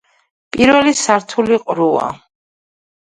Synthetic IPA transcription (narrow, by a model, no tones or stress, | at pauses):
pʼiɾvɛlisaɾt̪ʰuliqʼɾua̰